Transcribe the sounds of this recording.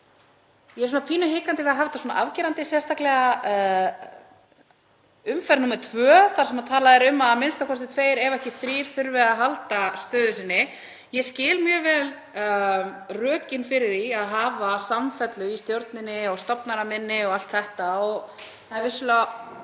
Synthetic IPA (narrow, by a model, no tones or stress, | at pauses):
jɛɛs̬unapʰiːnʏɦɪːkant̪ɪvɛɾðaɦaːvɪt̪asɔna̰ʔavciːɾant̪ɪsjɛst̪aklɛɣa | ʏmfɛɾnumɛɾ̥t̪ʰvœːθḁsɛmat̪ʰaːlaðɛɾʏmːaðmɪnst̪akʰɔst̪ɪt̪ʰveːjɾɛvɛhcɪfɾiːɾ̥θʏɾvɛðaɦalt̪ast̪œːðʏsɪnːɪ | jɛscɪːlmjœːvɛːl | rœːcɪnfɪɾɪθiaðɦaːvasamfɛt̪lʏist̪jowɾt̪nɪnːɪɔst̪ɔpnaɾamɪnːɪɔɣal̥t̪θɛht̪aɔɣ | θaðɪɾvɪsʏla